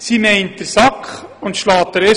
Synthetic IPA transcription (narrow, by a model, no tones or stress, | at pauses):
simɛɪnt̚d̥əɾsɑkχʊntʃlɑːtdəɾe